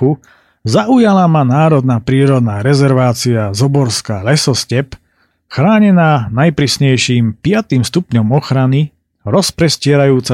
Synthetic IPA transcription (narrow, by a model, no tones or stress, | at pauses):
u | zaʔujalamanaːɾɔd̪naːpɾiːɾɔd̪naːɾɛzɛɾʋaːt͡siazɔbɔɾskaːlɛsɔscɛp | xɾaːɲɛnaːnajpɾiːsɲɛjʃiːmpɪat̪imst̪upɲɔmɔxɾani | ɾɔspɾɛscɪɛɾajuːt͡sa